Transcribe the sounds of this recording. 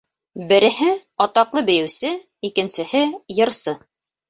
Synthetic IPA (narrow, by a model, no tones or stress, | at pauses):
bɘ̆ɾɘ̆hɘɒt̪ɑqlˠɤbɘ̆jɘ̆wsɘ | ikɘ̆nsɘ̆hɘjɤ̆ɾsɤ